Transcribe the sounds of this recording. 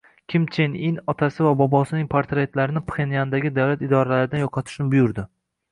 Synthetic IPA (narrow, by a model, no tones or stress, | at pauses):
kʲʰɪmt͡ʃʰeninɒt̪ʰasɪvabɒbɒsɪnɪŋʲpʰaɾt̪ɾe̞t̪laɾɪnɪpχenjand̪aɡʲɪd̪awlat̪ɪd̪ɒɾalaɾɪd̪anjoqʰɑt̪ʰɪ̥ʃnɪbʊjʊɾd̪ɪ